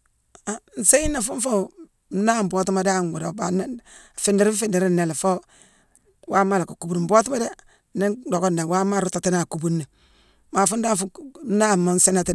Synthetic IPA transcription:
a˨n̩˨se˦i˦na˨fu˦ɱ˦fo˦˨ | m̩˦na˦m̩˨bo˦ti˦ma˦da˦˨ŋwu˨do˨ba˨˦˨fe˦ndi˦ɾi˦fe˦ndi˨ɾi˦nːe˨la˨fo˦ | wa˦ma˦la˨ka˨ku˦bu˨˦˨m̩˨bo˦ti˦ma˦da˦ | ne˦do˨ko˦nda˨wa˦ma˦˨ɾu˦ta˨ti˦na˨ku˦˨bu˦nːa˨ | ma˨fu˦nda˦fu˦na˦˨ma˨˦n˦se˦na˦˨ti˦

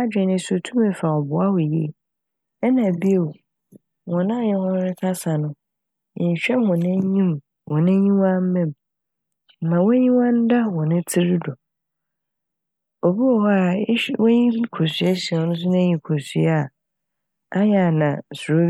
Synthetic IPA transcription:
a˦d͡ʑᶣɛ˨nɪ̃˦so˨tʰũ˦mɛ˨fa˨ɔ˨bʊ˨a˦wʊ˨jḛ˦˨ | ɛ˦nã˨bi˦e˨ | wɔ̃˨nã˦˨jɪ̃˦hɔ̃˦ɾɪ˦kʰa˦sa˨nʊ̃˦˨ | ɲ˨ɕᶣɛ˦hɔ̃˨nɛ̃˦ɲĩ˦m | wɔ̃˨nɛ̃˦ɲĩ˦wã˦m̩˦mɛ̃˦˨m̩˨ | mã˨wɲĩ˦wã˦n̩˦da˦wɔ̃˨nɪ̃˦tʰɪ˦ɾɪ˦dɔ˨ | o˨bi˦ɔ˨ɦɔ˦a˨˦wɲĩ˦kʰo˨sɥɛ˦ɕi˨nʊ̃˦s̬ʊ˦nã˦ɲĩ˨kʰo˨sɥa˦˨ | a˦jɛ˨a˨nã̰˨sɾo˦

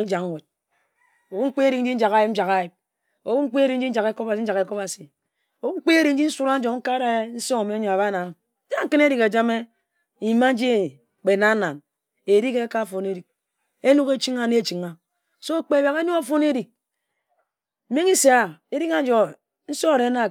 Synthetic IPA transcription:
d͡ʒa˨kwe˨t̚ | o˨wu˦ŋ͡m̩˦k͡pe˦e˦ɾi˨kn̩˦i˦n̩˦d͡ʒa˨ɣa˦ji˦m̩˦d͡ʒa˨ka˦ji˨p̚ | o˨wu˦ŋ͡m̩˦k͡pe˦e˦ɾi˨n̩˦d͡ʒi˦n̩˦d͡ʒa˨ke˦ko˦ba˨si˦n̩˦d͡ʒa˨ke˨ko˦ba˨si˨ | o˨u˦ŋ͡m̩˦k͡pe˦e˦ɾi˨n̩˦d͡ʒi˦n̩˦su˦ɾa˦n̩˦d͡ʒo˨ŋ̩˦ka˦ɾa˦e˦n̩˦so˦ŋo˨me˦ɲo˨a˨ba˦na˨˦ | d͡ʒa˦ŋ̩˦kɨ˦ne˦ɾi˨ka˨d͡ʒa˦me˦˨ | i˨ma˦n̩˦d͡ʒi˦e˨ | k͡pe˨na˦na˨n | e˨ɾi˦ke˦ka˦fo˨ne˦ɾi˨k̚ | e˦nu˦ke˦t͡ʃi˦ŋa˦ne˦˨t͡ʃi˨ŋa˨ | so˦k͡pe˦˨bja˨ɣe˦nu˦ka˦fo˦n˦e˦ɾi˨k̚ | m̩˦me˦ŋi˦se˨a˨e˦ɾi˦ka˦d͡ʒo˨ | n̩˦so˦˨ɾe˨˦na˦˨

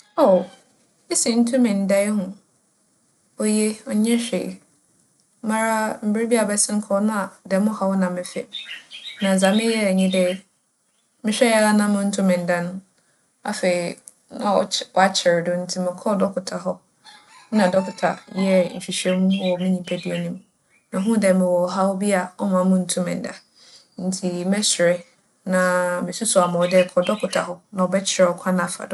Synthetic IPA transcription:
o˨ | e˦sĩ˨n̩˦tʰʊ̃˦mɪ̃˨n˨dɛ˦ɦʊ̃˨ | ɔ˦je˦ɔ˦ɲɛ̃˦ɕᶣḛ˨ | mã˦ɾa˦m̩˨bɾe˦bi˦a˨bɛ˦sɪ̃˦ŋ̩˦kʰɔ˦nʊ̃˦a˨dɛ˨mʊ̃˦ha˦wɔ˦nã˨mɪ̃˨fɛ̰˨ | nã˨zã˨mɪ̃˦jɛ˦˨ɲĩ˦dɛ˦ | mɪ̃˦ɕᶣɛ˦ɛ˦a˦nã˦mʊ̃˦n̩˦tʰʊ̃˦mɪ̃˨n̩˨da˦nʊ̃˦ | a̰˨fe˨i˨ | nã̰˨ɔ̰˨wɔ˨a˦t͡ɕʰɪ˨ɾdʊ˦n̩˦tʰi˨mɪ̃˨kʰɔ˦dɔ˦kʰʊ˨tʰa˨ɦɔ˦ | nã˨dɔ˦kʰʊ˨tʰa̰˨jɛ˦ɲ̩˨ɕᶣi˨ɕɛ̃˦mũ˦wɔ˨mɪ̃˦ɲĩ˨pʰɛ˦di˦e˨nĩ˦m | nã˨ɦũ˦dɛ˨mɪ̃˨wɔ˨ɦa˦wɔ˦bi˦a˨ɔ˦mã˨˦mʊ̃˦n̩˨tʰʊ̃˦mɪ̰̃˨n̩˨da̰˨ | n̩˨tʰi˨mɛ˦sɪ˨ɾɪ˨ | nã˨mɪ̃˨sʊ˦sʊ˨a˨mʊ̃˨dɛ˦kʰɔ˨˦dɔ˦kʰʊ˨tʰa˨ɦɔ˦nã˨wɔ˨bɛ˦t͡ɕʰɪ˨ɾɛ˨ɔ˨kʷʰã˦nã˦˨fa̰˨dʊ˨

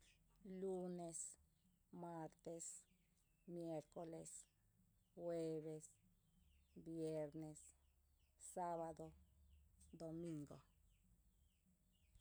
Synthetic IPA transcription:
lu˦ne˧s | ma˧ɾt̪e˧s | mje˦ɾko˨le˧s | xwe˦˧βe˧s | bje˧ɾne˧sː | a˦βa˧d̪o˧ | d̪o˨mi˧ŋɡo˨

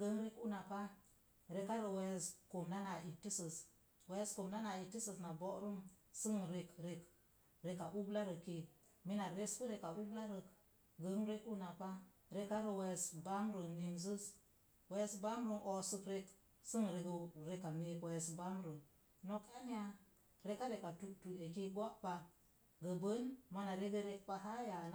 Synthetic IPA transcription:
ɡə˨ŋɾe˦ku˦na˨pa˦ | ɾe˨ka˦ɾə˨we˨˦˨sko˨mda˦na˨i˨ti˦sə˨s | we˨˦sko˨mda˦na˨i˨ti˦sə˨sna˨bo˦ɾu˦msə˦ŋɾe˨kɾe˨k | ɾe˨ka˨ʔu˦bla˦ɾə˨ki˨ | mi˦na˨ɾe˦sku˦ɾe˨ka˨u˦bla˦ɾə˨k | ɡə˨˦ŋɾe˦ku˦na˨pa˦ | ɾe˦ka˦ɾə˨we˨sba˦mɾə˨ni˨ns̬ə˦s | we˦sba˦mɾə˦˨ʔo˨sə˨kɾe˨k | sɨ˦ŋ˨ɾe˨ɡɾe˨ka˨mi˨kwe˨sba˦mɾə˨ | no˨ka˦ni˦a˦ | ɾe˦ka˦ɾe˨ka˨tu˨tu˨e˨ki˦ɡa˦pa˨ | ɡə˨bə˦nma˨na˨ɾe˦ɡə˦ɾe˦k̚pa˦ɦa˦ja˨n

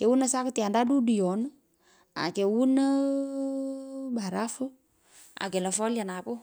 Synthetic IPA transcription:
kɛ˨wu˦na˦sa˦kt̪ɪa˨nda˦du˦du˨jɔ˨n | a̰˨kɛ˨wu˦nə | ba˨ɾa˦fə˦ | a̰˨kɛ˨lɔ˨fɔ˦la˨napʊ˦

